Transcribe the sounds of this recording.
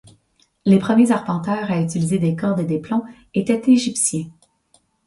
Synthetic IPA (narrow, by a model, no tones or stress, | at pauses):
lepχəmjezaʁpɑ̃t̪œːʁayt͡silized̪ekɔʁd̪ed̪eplɔ̃ | et̪ɛt̪eʒipsjɛ̃